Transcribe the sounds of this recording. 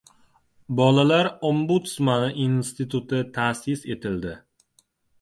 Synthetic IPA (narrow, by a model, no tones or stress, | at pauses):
bɒlalaɾombut̪smanʔinst̪it̪ʰut̪ʰɪt̪ʰaːsɪse̞t̪ʰɪld̪ɪ